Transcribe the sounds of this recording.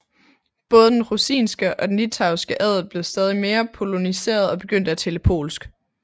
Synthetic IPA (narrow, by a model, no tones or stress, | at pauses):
b̥ɔ̽ːð̞̩ˠəd̥enʁusḭːnsɡ̥əʔɒ̽d̥enːit͡sʰɑ̈ʊsɡ̥əʔɛð̞̩ˠb̥le̝ʊsd̥ɛːð̞ˠime̝ːɐpʰo̝lo̝nise̝̰ːɐð̞ˠɒ̽b̥e̝ɡ̥øn̰d̥əæt͡sʰeləpʰo̝̰ːlsɡ̥